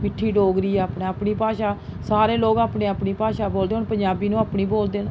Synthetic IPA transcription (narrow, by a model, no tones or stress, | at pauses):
mɪʈʰːiːɖoːɡɾiːɛːaːpneːaːpɳiːpaːʃaːsaːɾeːloːɡaːpneːaːpniːpaːʃaːboːld̪eːɦʊnpəɲd͡ʒaːbiːnũːaːpniːboːld̪eːn